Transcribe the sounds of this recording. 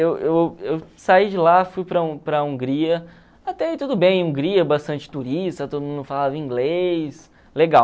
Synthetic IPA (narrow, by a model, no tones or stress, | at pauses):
ewewewsaid͡ʒɪlafujpɾɐũpɾɐũŋɡɾiɐ | at̪ɛit̪ud̪ʊbẽj̃ũŋɡɾiɐbast̪ɐ̃nt͡ʃɪ̥t̪uɾist̪ɐt̪od̪ʊmũnd̪ʊfalavɐĩŋɡlejs | leɡaw